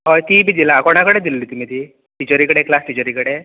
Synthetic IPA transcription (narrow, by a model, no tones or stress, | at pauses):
ɦɔjt̪ibid̪ilaakoɳ̃akəɽed̪ilːit̪um̤it̪iː | ʈit͡ɕoɾikəɽeklasʈ̪it͡ɕoɾikəɽe